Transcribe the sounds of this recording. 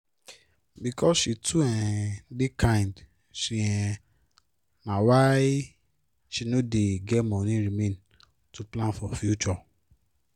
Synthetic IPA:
bikɔsʃitʰuɛ̃dekʰãĩnd | ʃiɛ̃ | nãwai | ʃinõdeɡɛmɔ̃nĩɾimẽn | tuplãnfɔfjut͡ʃɔ

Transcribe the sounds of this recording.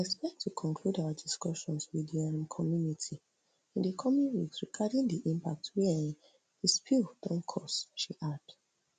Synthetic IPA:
ɛspɛk̚tʰukʰɔ̃nkʰludaʊadiskɔʃɔ̃nswidiãmkʰɔmjunitʰi | ĩndəkʰɔmĩnwiksɹiɡadĩndiʔĩmpak̚twɛ̃ | dispʰild̥ɔ̃nkʰɔsʃiʔad̥

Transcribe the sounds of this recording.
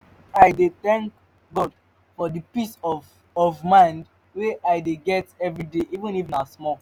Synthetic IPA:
aɪdeθɛ̃ŋk | ɡɔd̥ | fɔdipisɔ | ɔvmãɪ̃nd | weʔaɪdeɡɛtɛvɹideʔivə̃nifnasmɔ

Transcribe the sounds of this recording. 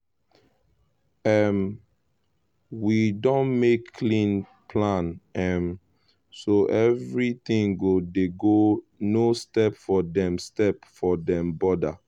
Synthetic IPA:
ɛm | widɔ̃nmekːʰlĩn | pʰlãnɛ̃m | soʔɛvɹit̪ĩŋɡodeɡo | nostɛpfɔdɛ̃mstɛpfɔdɛ̃mbɔda

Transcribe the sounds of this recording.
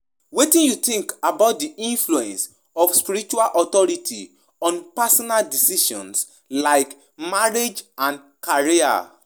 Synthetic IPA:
wetĩnjutĩŋkabaʊt̚diĩnfluɛ̃ns | ɔfspiɾit͡ʃualʔɔt̪ɔɹitʰḭ | ɔ̃npasɔnaldisiʃɔ̰̃ns | laɪk | maɹed͡ʒãn | kaɹia̰

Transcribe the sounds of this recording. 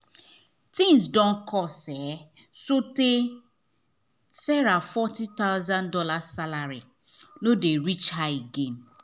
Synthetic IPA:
tĩnsdɔ̃n̩kʰɔsɛ | sote | sɛɾafɔtit̪aʊzãndɔlasalaɾi | nodeɾit͡ʃɦaiɡen

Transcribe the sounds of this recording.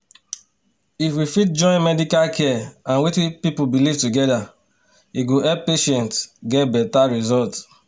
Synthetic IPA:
ifwifit̚d͡ʒɔ̃ɪ̃nmɛdikalkʰɛãnwitipipubiliv̥tuɡɛda | iɡoɛppeʃɛ̃ntɡɛt̚bɛtaɹizɔlt

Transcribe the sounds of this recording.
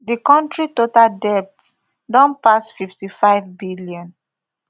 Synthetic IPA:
dikɔ̃ntɹitotaldɛp̚ts | dɔ̃npasfiftifaɪvbiliɔ̃n

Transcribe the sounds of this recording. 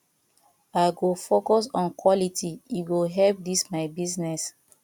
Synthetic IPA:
aɪɡofokɔs̬ɔ̃nkwɔlitʰiiɡoɦɛlp̚dismaɪbiznɛs

